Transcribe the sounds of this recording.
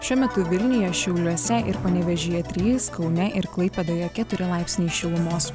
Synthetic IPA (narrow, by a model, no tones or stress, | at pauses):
ʃʲuɔmʲɛt̪ʊʋʲɪlʲnʲʊjɛʃʲɛʊlʲuɔsʲɛʔɪɾpɐnʲɛʋʲɛʒʲɪjɛt̪ʲɾʲiːsskɒʊnʲɛʔɪɾklˠɐɪpɐd̪ɐjoːkʲɛt̪ʊɾʲɪlˠɑɪpʲsʲnʲiːʃʲɪlˠʊmoːs